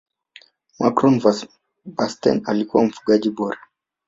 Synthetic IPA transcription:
makɾɔnv | vastɛ̰nalikuwam̩fuɠaʄiɓɔɾa

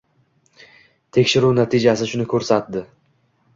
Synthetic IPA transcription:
t̪ʰe̞kʲʃɪɾunat̪ʰid͡ʒasɪʃʊnɪkʰɵɾsat̪̚d̪ɪ

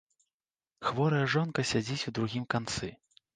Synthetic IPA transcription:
xvɔɾɐjɐʐɔnkɐsʲad͡zʲit͡sʲud̪ɾuɣʲimkant̪sɨ

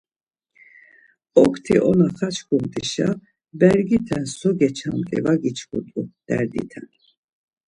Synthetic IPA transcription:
ɔkʰt̪ʰiʔɔnaχat͡ʃʰkʰumt̪ʼiʃa | bɛɾɡit̪ʰɛnsɔɡɛt͡ʃʰamt̪ʼḭvaɡit͡ʃʰkʰut̪ʼud̪̥ɛɾd̪ḭt̪ʰɛn

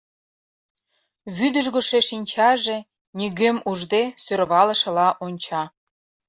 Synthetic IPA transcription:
βyd̪əʒɣoʃeʃinʲt͡ɕɑʒe | nyɣemuʒd̪esørβɑlə̆ʃə̆lɑʔonʲt͡ɕɑ

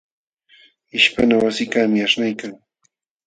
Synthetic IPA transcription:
ɪʃpanawasɪkamɪaʂnajkaŋ

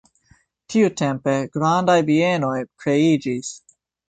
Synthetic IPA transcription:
tʰiutempe̞ɡ̥ɾandajvieno̞jkɾe̞id͡ʒis

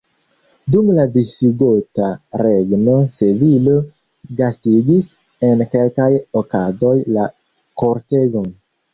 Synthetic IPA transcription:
dumladisiɡo̞taɾe̞ɡno̞sevilo̞ | ɡastiɡis | e̞nke̞lkajokazo̞jla | ko̞ɾte̞ɡon

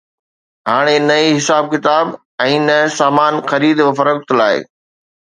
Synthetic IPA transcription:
ɦaːɽ̃enɐiɦɪsaːb̚kɪt̪aːb | ɛ̃ːnɐsaːmaːnxɐɾiːd̪ʋɐfəɾəkt̪laːɪ̰

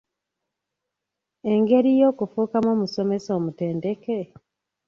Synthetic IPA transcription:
e̞ŋɡe̞ɾijo̞ːkufuːkamoːmuso̞me̞so̞ːmuteːnde̞ke̞

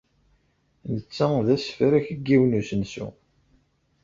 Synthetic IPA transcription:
nət͡sːæðæsfɾæçəɡːiwnusənsṵ

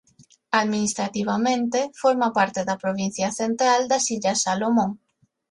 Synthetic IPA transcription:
aðminist̪ɾat̪iβamẽnt̪efoɾmapaɾt̪eðɐpɾoβin̟θjɐθent̪ɾald̪ɐsiʎasalomõŋ

